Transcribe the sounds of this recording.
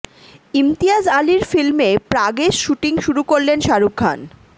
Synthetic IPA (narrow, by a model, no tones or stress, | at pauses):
imt̪iad͡ʑaliɾfilmepɾaɡeʃʃuʈiŋʃuɾukoɾlenʃaɾukʰːa̰n